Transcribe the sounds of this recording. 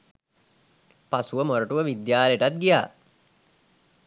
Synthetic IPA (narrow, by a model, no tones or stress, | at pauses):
pasuʋəmoɾəʈuʋəʋid̪jaːleʈat̪̚ɡija̰ː